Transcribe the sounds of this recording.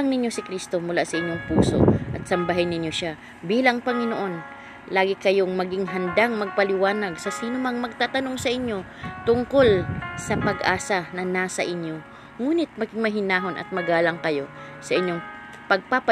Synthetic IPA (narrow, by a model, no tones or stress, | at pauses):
ŋnɪɲjo̞sɪkɾist̪o̞mʊlasɐʔɪɲjoŋpuːso̞̰ʔɐt̪̚sɐmbaɦajnɪɲjo̞ʃa | biːlɐŋpɐŋɪnoʔo̞n | laːɡɪkɐjo̞ŋmɐɡɪŋɦɐnd̪aŋmɐɡ̚pɐlɪwaːnɐɡsɐsiːnʊmɐŋmɐɡ̚t̪aːt̪ɐno̞ŋsɐʔɪɲjo̞ | t̪ʊŋko̞lsɐpɐɡʔaːsɐnɐnaːsɐʔɪɲjo̞ | ŋuːnɪt̪̚mɐɡɪŋmɐɦɪnaːɦo̞nʔɐ̰t̪̚mɐɡaːlɐŋkɐjo̞ | sɐʔɪɲjoŋ | pɐɡ̚pap